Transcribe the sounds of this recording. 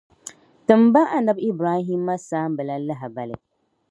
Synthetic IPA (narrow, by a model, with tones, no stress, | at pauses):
tɨ˨mba˦ʔa˦nɨ˦bi˦bɾaː˦ɦi˦mːa˦saː˦m˦bɨ˨la˦la˦ɦɪ˨ba˨lɨ˨